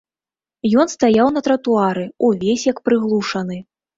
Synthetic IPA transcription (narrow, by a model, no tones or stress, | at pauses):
jɔn̪st̪ajawnɐt̪ɾɐt̪uaɾɨuvʲesʲjɐkpɾɨɣlˠuʂɐnɨ